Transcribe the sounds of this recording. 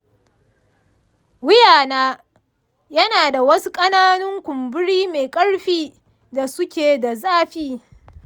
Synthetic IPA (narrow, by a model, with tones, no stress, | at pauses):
wʊ˦jaː˨naː˦ | jɐ˦naː˨da˨wɐ˦su˦kʼɐ˦naː˦nʊ˦ŋkʷʊ˨mbʊ˦ɽiː˦meː˨kʼɐ˦ɽɸiː˦ | da˨sʊ˦kʲeː˨da˨zaː˦ɸiː˦